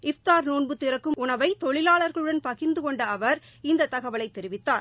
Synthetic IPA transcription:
ɪft̪aːɾnoːnbɯt̪ːɪɾɐkːɯmʔʊɳɐʋɐɪt̪ɔɭɪlaːɭɐɾɣɐɭɯɽɐnpɐɣɪnd̪ɯkɔɳɖɐːʋɐɾ | ɪnd̪ɐt̪ːɐɣɐʋɐɭɐɪt̪ːɛɾɪʋɪt̪ːaːɾ

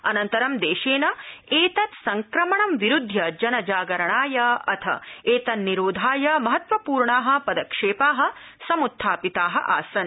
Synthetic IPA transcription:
ɐnɐnt̪ɐɾɐmd̪eːʃeːnɐeːt̪ɐt̪sɐŋkɾɐmɐɳɐmʋiɾud̪ʱjɐd͡ʒɐnɐd͡ʒaːɡɐɾɐɳaːjɐɐt̪ʰɐ̰eːt̪ɐnːiɾoːd̪ʱaːjɐmɐɦɐt̪ʋɐpuːɾɳaːɦɐ̆pɐd̪ɐkʂeːpaːɦɐ̆ | sɐmut̪ʰːaːpit̪aːɦɐ̰ʔa̰ːsɐn

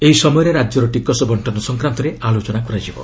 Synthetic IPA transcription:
eɦisɔmɔjɔɾeɾad͡ʒjɔɾɔʈikɔsɔbɔɳʈɔnɔsɔŋkɾant̪ɔɾealot͡ʃɔnakɔɾad͡ʒibɔ̰

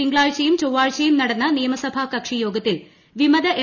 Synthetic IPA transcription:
iŋɡɭaːɻt͡ɕɐjumt͡ɕowʋaːɻt͡ɕːɐjumnɐɽɐnːɐnijɐmɐsɐbʱaːkɐkʂijo̞ːɡɐt̪ːil | ʋimɐd̪ɐʔe

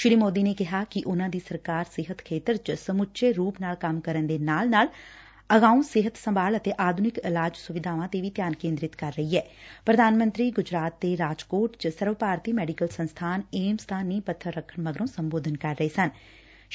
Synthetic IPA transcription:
ʃɪɾiːmoːd̪iːneːkɪɦaːkɪʔʊnãːd̪iːsəɾkaːɾsɪɦət̪kʰeːt̪əɾd͡ʒəsəmʊtːʃʰeːɾuːpnaːlkəmkəɾənd̪eːnaːlnaːl | əɡaːũːsɪɦət̪səmbaːlət̪eːʔaːd̪ʱʊnɪkɪlaːd͡ʒsʊʋɪd̪ʱaːʋãːt̪eʋiːt̪jaːnkẽːnd̪ɾɪt̪kəɾːəiːɦɛːpɾəd̪ʱaːnmə̃nt̪ɾiːɡʊd͡ʒɾaːt̪̚ːeːɾaːd͡ʒkoːʈd͡ʒəsəɾʋəpaːɾt̪iːmɛːɖɪkəlsənst̪ʰaːneːmst̪ʰaːniːpət̪ʰːəɾːəkʰːəɳməɡɾõːsəmboːd̪ʱənkəɾːəeːsən

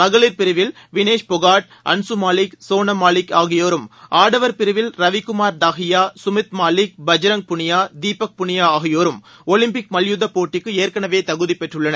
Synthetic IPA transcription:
mɐɣɐɭɪɾpɪɾɯʋɪl | ʋɪneːʂpɔɣaːʈ̚ | ɐ̰nsumaːlɪksoːnɐmaːlɪkaːɣɪjoːɾɯmaːɽɐʋɐɾpɪɾɯʋɪlɾɐʋɪkːʊmaːɾd̪aːɣɪjaːsʊmɪt̪maːlɪk̚bɐd͡ʒɐɾɐŋ̚pʊɳɪjaːd̪iːpɐk̚pʊɳɪjaːaːɣɪjoːɾɯm | ɔlɪmpɪk̚mɐljʊðɐpoːʈːɪkːɯeːɾkɐɳɐʋeːt̪ɐɣɯðipːɛʈrɯɭːɐnɐ

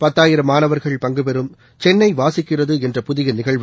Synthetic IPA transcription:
pɐt̪ːaːjɪɾɐmaːnɐʋɐɾɣɐɭpɐŋɡɯpɛɾɯm | t͡ʃɛnːɐɪʋaːsɪkːɪrɐðɯɛndrɐpʊðɪɣɐnɪɣɐɭʋ

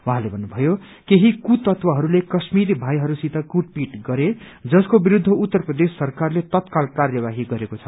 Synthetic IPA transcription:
wuɦãlebʱʌnːubʱʌjo | keɦikut̪ʌt̪wʌɦʌɾulekʌsmiɾibʱajɦʌɾusit̪ʌkuʈ̚piʈɡʌɾe | d͡zʌskobiɾud̪ʱːʌut̪ːʌrprʌd̪esːʌrkarlet̪ʌt̪kalkarjʌbaɦiɡʌɾekot͡sʰʌ̥

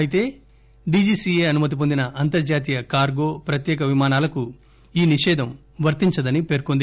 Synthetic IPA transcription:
ɐjit̪e̞ː | ɖiːd͡ʒiːsieːɐnumɐt̪ip̬o̞nd̪inɐʔɐnt̪ɐɾd͡ʒaːt̪̬iːjɐkaːɾɡo̞ːpɾɐt̪jɛːk̬ɐʋimaːnaːlɐku | iːniʃɛːd̪ʱɐm | ʋɐɾt̪iɲt͡ʃɐd̪ɐnipe̞ːɾkond̪i

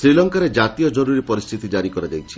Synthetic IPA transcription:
sɾilɔŋkaɾed͡ʒat̪ijɔd͡ʒɔɾuɾipɔɾist̪ʰit̪id͡ʒaɾikɔɾad̪ejt͡ʃʰi̥

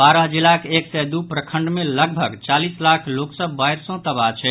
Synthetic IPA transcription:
baɾəɦd͡ʒilakeksɛd̪upɾəkʰəɳɖmeləɡbʱəɡt͡ʃalislakʰloksəbbajɾsɔ̃t̪əbat͡ʃʰɛ

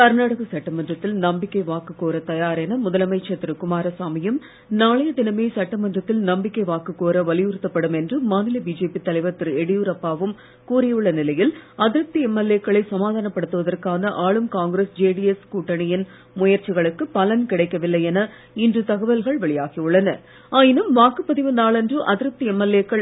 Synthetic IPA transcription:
kɐɾnaːɽɐɣɐsɐʈːɐmɐndrɐt̪ːɪlnɐmbɪkːɐɪʋaːkɯkːoːɾɐt̪ɐjaːɾeːnɐmʊðɐlɐmɐɪt͡ʃt͡ʃɐt̪ːɪɾɯkʊmaːɾɐsaːmɪjɯm | naːɭɐjɐd̪ɪnɐmeːsɐʈːɐmɐndrɐt̪ːɪlnɐmbɪkːɐɪʋaːkːɯkːoːɾɐʋɐlɪjʋɯɾɯt̪ːɐpːɐɽɯmɛndrɯmaːnɪlɐbiːd͡ʒeːpit̪ɐlɐɪʋɐt̪ːɪɾɛɽɪjuːɾɐpːaːʋɯm | kuːrɪjɯɭːɐnɪlɐjɪlɐðɪɾɯp̚t̪iɛmːɛlːeːkːɐɭɐɪsɐmaːðaːnɐpːɐɽɯt̪ːɯʋɐðɐrkaːnɐʔaːɭɯmkaːŋɡɾesd͡ʒeːɖiɛskuːʈːɐɳɪjɪn | mʊjɐɾt͡ʃɪɣɐɭɯkːɯpɐlɐnkɪɽɐɪkːɐʋɪlːɐɪɛnɐ | ɪndrɯt̪ɐɣɐʋɐlɣɐɭʋɐɭɪjaːɣiɯɭːɐnɐ | aːjɪnɯmʋaːkɯpːɐðɪʋɐnd̪aːɭɛndrɯʔɐðɪɾɯp̚t̪iɛmːɛlːeːkːɐɭ

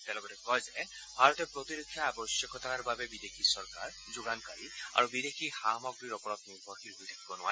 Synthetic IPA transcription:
tɛ̃lɔɡɔtɛkɔjzɛ | bʱaɹɔtɛpɹɔt̪iɾokʰːjaabɔsjɔkʰɔt̪anaɹbabɛbid̪ekʰisɔɹkaɹ | zuɡankaɹia̰ɹubid̪ekʰixamɔɡɹiɾɔpɔɹɔt̪niɾbʱɔɹxiɾɦojtʰakibɔnʊwa̰

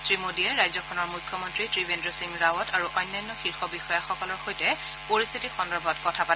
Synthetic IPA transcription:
sɹimodijɛɹajzɔkʰɔnɔɹmujkʰːjɔmɔntɹitɹibendɹɔsiŋɹawɔtaɹuʔɔjnːajnːɔxiɹxɔbixɔjaxɔkɔlɔɹxojtɛ | poɹist̪ʰitixɔndɔɹbʱɔtkɔtʰapa

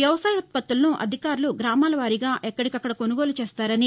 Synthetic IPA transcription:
ʋjɐʋɐsaːjɐɐt̪̚pɐt̪ːulɐnuʔɐ̰d̪ʱikaːɾuluɡɾaːmaːlɐʋaːɾiɡaːʔɛkːɐɽikɐkːɐɽɐko̞nuɡo̞ːlut͡ʃeːst̪aːɾɐni

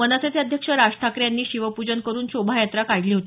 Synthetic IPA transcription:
ənasat͡sjəd̪ʱjəkʂəɾaʂʈʰakɾjanːiːɕiʋəpud͡ʑənkəɾuːnɕobʱajat̪ɾakajliːɦot̪ː

